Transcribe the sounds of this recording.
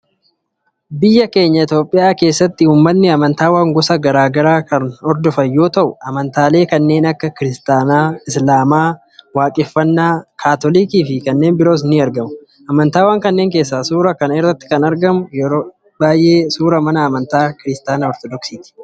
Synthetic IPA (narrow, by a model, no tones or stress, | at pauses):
bɪjːɐke̞ːɲːɐɪt̪jo̞ːpʼːɪjaːke̞ːsːɐt̪ːɪuːmːɐnːɪɐmɐnt̪aːwaːŋɡɔsɐɡɐɾaːɡɐɾaːkɐnɔɾd̪ɔfɐjːo̞ːt̪ɐʔʊʔɐmɐnt̪aːle̞ːkɐnːe̞ːnɐkːɐkɪɾɪst̪aːnaːɪslaːmaː | waːkʼɪfːɐnːaːkʰaːt̪ɔlikiːfɪkɐnːe̞ːnbɪɾo̞ːs̬ɪnːiɐɾɡɐmʊ | ʔɐmɐnt̪aːwaːŋkɐnːeːŋke̞ːs̬ːasuːɾɐkɐnɪrːɐt̪ːɪ̥kɐnɐɾɡɐmʊjɛɾoː | baːjʔe̞ːsuːɾɐmɐnɐːmɐnt̪aːkɪɾɪst̪aːnɐɔɾt̪ɔd̪ɔksiːt̪ɪ̥